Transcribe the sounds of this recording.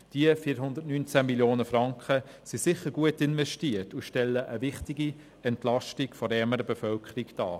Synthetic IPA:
d̥iəfiːɾɦʊnd̪ətnyːnt͡sæmiljoːnəfɾɑŋkχə | sisɪχəɾɡ̥uətɪnvɛʃtiətuʃtɛlːəʔəʋɪχtiɡi | ɛntlɑʃtiɡfɔɾɛməɾəbefœlkχəɾikd̥ɑ̰ː

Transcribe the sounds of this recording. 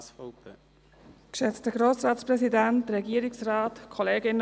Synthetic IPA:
fpː | kʃɛt͡stəɡ̥ɾoːsrɑːtspʁɛsidæntɾɛɡiːəɾɪksrɑːtkʰɔleːɡɪn

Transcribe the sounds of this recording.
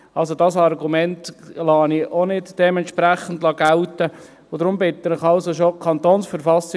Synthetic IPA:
ɑlsodɑsɑrɡumɛntlɑːniʔonɪdd̥ɛmɛntʃpɾæχən̩dlɑɡælt̪ə | ʊd̥̪ɾʊmbɪt̪ːənɪχɑlsoʃokʰɑnt̪oːnsfəɾfɑsi

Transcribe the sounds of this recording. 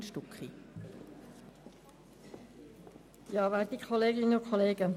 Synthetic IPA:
nʃtukχi | jɑːʋaːt̪ikʰoleːɡɪnənʊkʰɔleːɡə

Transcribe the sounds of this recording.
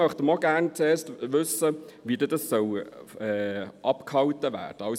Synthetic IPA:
œχt̪əmɔɡæːɾnt͡seːɾstʋɵsəʋidəd̥ɑsːœwɛːʔɑpkhɑwtəʋæ̰ːd̥əɑʊs

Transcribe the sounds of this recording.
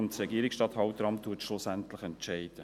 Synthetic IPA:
nsɾɛɡiəɾɪksʃtɑt̪hɑʊt̪ɾɑmt̪ʰːuətʃlʊsæntlɪχɛnt͡ʃɛɪd̥ə

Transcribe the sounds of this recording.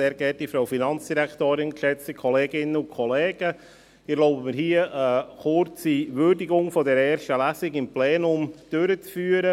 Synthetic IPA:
seːɾɡɛt̚difɾaʊfinɑnt͡sd̥iɾæktoːɾɪnkʃɛt͡stəkʰɔlɛːɡɪnːəʊnkʰɔlɛːɡ̥ə | ɪɾloʊbəmɪɾɦhiːəʔəχʊɾt͡siʋʏɾdiɡʊŋfɔdɛɾɛːɾʃtəlæsɪɡɪmplɛːnʊmd̥øɾət͡sfyːəɾə

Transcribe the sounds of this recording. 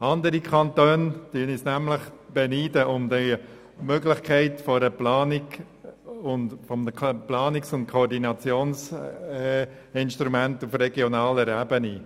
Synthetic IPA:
ɑnd̪əɾikʰɑnt̪øːntyənisnæmlɪχb̥ɛniːdəʔʊmd̪e | møɡlɪχkʰɛɪtfɔɾəplaːniɡ | ʊnfɔməplɑːnɪksʊnt̚kʰɔɾdinɑt͡sjoːns | ɪnʃtɾumæntufɾɛɡjɔnɑːlɛɾæːbəni

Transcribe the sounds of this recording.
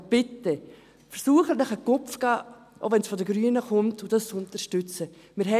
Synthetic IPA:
b̥ɪtːə | fəɾsuːəχətnəχəkʊpfɡ̥ɑː | ʔoʊʋɛnsfɔdəɡɾyːənəχʊmtʊd̥ɑst͡sʊntəɾʃtʏt͡sə | mɪːɾɦɛ

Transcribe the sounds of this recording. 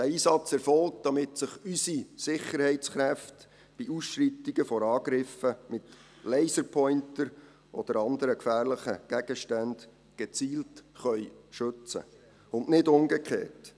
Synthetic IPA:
d̥æiːsɑt͡sɛɾfɔlkd̥ɑmɪtsɪχysisɪχːəɾhɛɪtt͡sχɾæft | b̥iusʃɾitiɡ̥əfɔɾɑːɡ̥ɾɪfəmɪt | lɛɪsəɾpʰɔʏntəɾ | ʔɔd̥̪əɾɑnd̪əɾəkfæːɾlɪχəɡ̥æɡ̥əʃtænd̥ | ɡ̥et͡siːltχœʏʃɵt͡sə̰ | ʊndnɪdʊŋɡɛkχḛːt

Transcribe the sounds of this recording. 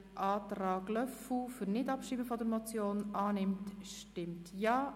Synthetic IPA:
ʔɑːtɾɑːɡlœfufʏɾnɪdɑpʃiːbəfɔdəɾmɔt͡sjoːnɑːnɪmtʃtɪmtjɑː

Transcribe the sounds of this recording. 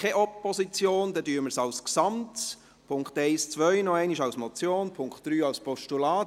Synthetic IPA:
kʰɛʔɔpːɔsit͡sjoːnd̥ɛdyːəməsɑʊsksɑmt | pʰʊŋktɛɪst͡sʋœʏnɔɛɪniʃɑwsmɔt͡sjoːnpʰʊŋktd̥ɾyːɑwspɔʃtulaːt

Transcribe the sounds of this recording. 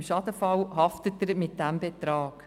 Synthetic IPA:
mʃɑdəfɑwhɑftətːəɾmɪt̚d̥æmbɛtɾɑːk

